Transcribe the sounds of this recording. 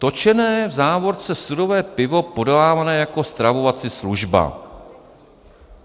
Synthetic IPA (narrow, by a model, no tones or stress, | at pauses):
t̪o̞t͡ʃɛnɛːjɛvzaːvo̞ɾt͡sɛsudo̞vɛːpɪvo̞po̞dolaːvanɛːjako̞st̪ɾavo̞vat͡sɪsluʒba̰